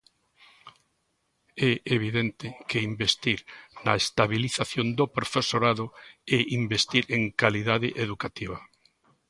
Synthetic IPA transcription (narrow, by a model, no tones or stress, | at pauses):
ɛeβ̞iðent̪ɪkeimbest̪iɾnɐest̪aβiliθaθjond̪opɾofesoɾaðʊɛimbest̪iɾeŋkaliðaðɪʔeðukat̪iβ̞ɐ